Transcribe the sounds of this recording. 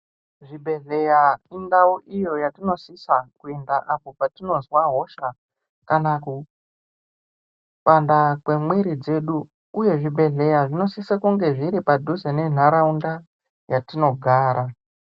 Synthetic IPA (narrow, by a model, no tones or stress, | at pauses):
ʐibʱe̞ɮe̞jaindauʔijo̞jatino̞sisakuendaʔapo̞patino̞zwaɦo̞ʃa | kanaku | pandakwe̞mwiɾid͡ze̞ɗuː | je̞ʐibʱe̞ɮe̞jaʐino̞sisakuŋɡe̞ʐiɾipadʱuzene̞n̤aɾaunda | jatino̞ɡʱaːɾʔa